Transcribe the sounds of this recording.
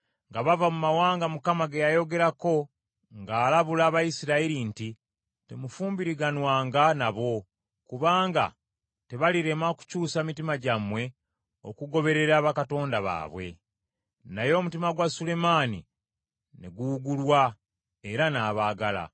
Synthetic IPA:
ŋɡaβavamumawaːŋɡamukamaɡejajo̞ɡe̞ɾako̞ | ŋɡaːlaβulaːβajisiɾaiɾinti | te̞mufuːmbiɾiɡanwaːŋɡanaβo̞ | kuβaːŋɡa̰ | te̞βaliɾe̞maoku̥cuːsamitimaɟamwe̞ | o̰kuɡo̞βe̞ɾe̞ɾaːβakato̞ːndaβa̰ːβwe̞̰ | najo̞ːmutimaɡwasule̞maːnḭ | neɡuːɡulwa | eɾanaːβaːɡala̰

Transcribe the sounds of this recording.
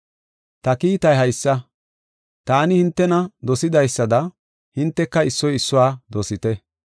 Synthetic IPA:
t̪ɐkiːt̪ɐjɦɐjsːɐ | t̪aːnɪhɪnt̪ːɛnɐd̪ɔsɪd̪ɐjsːɐd̪ɐ | hɪnt̪ːɛkːɐɪsːɔjɪsːʊwaːd̪ɔsɪt̪ɛ

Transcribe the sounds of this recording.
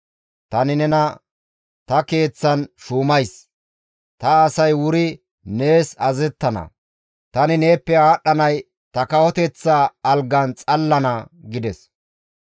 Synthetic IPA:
t̪ɐnɪnɛnɐ | t̪ɐke̞ːt͡sːɐnʃuːmɐjs | t̪ɐːsɐjwʊɾɪ | ne̞ːsɐzɛt̪ːɐnɐ̰ | t̪ɐnɪne̞ːpːɛaːɗːɐnɐj | t̪ɐkɐwɔt̪ɛt͡sːaːlɡɐnt͡sʼɐlːɐnɐɡɪd̪ɛs

